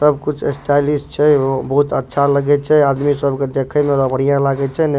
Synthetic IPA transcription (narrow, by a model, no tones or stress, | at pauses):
səbkut͡ʃʰḛsʈajlisʈt͡ʃʰɛbəɦut̪ətːʃʰaləɡɛt͡ʃʰɛad̪misəbked̪ekʰɛmeɾəbəɽ̤ijãlaɡɛt͡ʃʰɛn